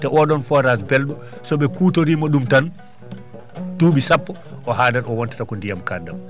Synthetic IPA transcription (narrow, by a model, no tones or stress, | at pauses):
tɛʔɔɗɔnfɔɾasbɛlɗɔ | sɔɓɛkuːtoɾiːmaɗumtan | tuːɓisapːɔ | ʔɔhaːdanɔwɔntḁtakɔndijamkadːam